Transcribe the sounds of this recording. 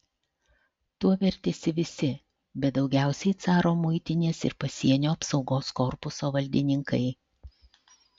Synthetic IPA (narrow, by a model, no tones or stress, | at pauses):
t̪uɔʋʲɛɾʲt̪ʲesʲɪʋʲɪsʲɪ | bʲɛt̪̚d̪ɒʊɡʲæˑʊsʲɛɪt̪sɑːɾoːmʊɪt̪ʲɪnʲeːsɪ̰ɾpɐsʲiɛnʲoːɐpsɒʊɡoːskɔɾpʊsoːʋɐlʲd̪ʲɪnʲɪŋkɐɪ